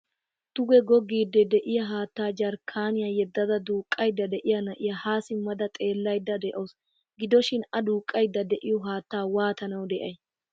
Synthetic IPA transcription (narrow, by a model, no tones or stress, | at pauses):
t̪ʊɡɛɡɔɡːiːd̪ːɛd̪ɛʔɪjɐɦaːt̪ːaːd͡ʒɐɾkʰːaːnɪjajɛd̪ːɐd̪ɐd̪uːkʼːɐjd̪ːɐd̪ɛʔɪjɐnɐʔɪjɐhaːsɪmɐd̪ɐt̪ʼe̞ːlːɐjd̪ːɐd̪ɛʔos | ɡɪd̪ɔʃɪnɐd̪uːkʼːɐjd̪ːɐd̪ɛʔɪjɔɦaːt̪ːaːwaːt̪ɐnɐwd̪ɛʔɐj